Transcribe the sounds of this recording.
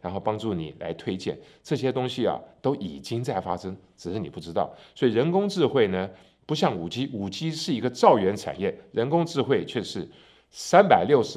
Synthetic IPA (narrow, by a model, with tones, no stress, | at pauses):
ɻa˧˥nxo˥˩ʊpɑ˥ŋʈ͡ʂu˥˩nḭ˨˩la̰˧˥ɪt̪ʰwe˥ɪt͡ɕjɛ̰˥˩n | ʈ͡ʂɤ˥˩ɕ̬jɛ˥t̪ʊ˥ŋɕi˧ɐ̰˨˩t̪o˥ʊʔi˨˩t͡ɕi˥ŋt͡sa˥˩ɪfa˥ʂɤ˥ŋʈ͡ʂɻ̩˨˩ʂɻ̩˥˩ni˨˩pu˥˩ʈ͡ʂɻ̩˥t̪ɑ˥˩ʊswɔ˧˥i˨˩ɻə˧˥nkʊ˥ŋʈ͡ʂɻ̩˥˧xwe˥˩ɪnə˩ | pu˧˥ɕ̬jɑ˥˩ŋu˨˩t͡ɕi˥u˨˩t͡ɕi˥ʂɻ̩˥˩i˧˥ɡə˧ʈ͡ʂɑ˥˩ʊɥɛ˧˥nʈ͡ʂʰa̰˨˩njɛ˥˩ɻə˧˥nkʊ˥ŋʈ͡ʂɻ̩˥˧xwe˥˧ɪt͡ɕʰɥɛ˥˧ʂɻ̩˥˩ | sa˥npa˨˩ɪljo˥˩ʊʂ̩˧